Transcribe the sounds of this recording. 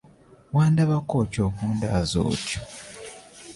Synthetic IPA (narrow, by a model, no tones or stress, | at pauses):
waːndaβakoːco̞ːkuːndaːzo̰ːco̥